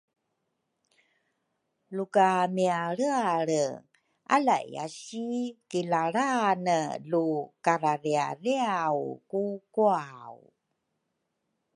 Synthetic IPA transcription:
lukamiaɾəaɾə | ʔalaʔḭa̰ɕikilaɾanəlukaɾaɾia̰riawkukuawu

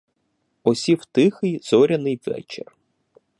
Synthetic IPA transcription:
ɔsʲiwt̪ɪxɪjzɔɾʲɐnɪjʋɛ̰t͡ʃḛr

